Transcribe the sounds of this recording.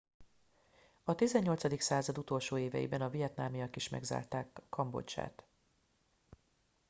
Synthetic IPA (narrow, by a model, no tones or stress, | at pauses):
ɒt̪izɛɲːo̞lt̪sɒd̪iksaːzɒd̪ut̪o̞lʃoːeːvɛ̰jḭbɛnɒvijɛt̪naːmijɒkiʃmɛ̰ɡza̰ːrt̪aːkʰːɒmbo̰t͡ʃa̰ːt̪